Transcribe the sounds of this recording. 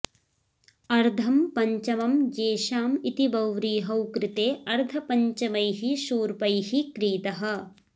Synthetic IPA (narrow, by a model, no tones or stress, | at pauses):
ɐɾd̪ʱɐmpɐɲt͡ʃɐmɐmd͡ʒeːʃaːmit̪ibɐwɾiːɦɐwkɾɪt̪eːɐɾd̪ʱɐpɐɲt͡ʃɐmɐjɦiʃuːɾpɐjhikɾiːt̪ɐɦɐ̆